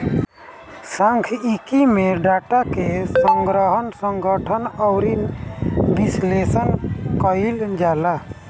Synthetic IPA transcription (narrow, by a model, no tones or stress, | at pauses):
saŋkʰikimeɖaʈakessɔŋɡɾɔɦɔnsɔŋɡɔʈʰənɔwɾinbislesənkɔild͡ʒaːla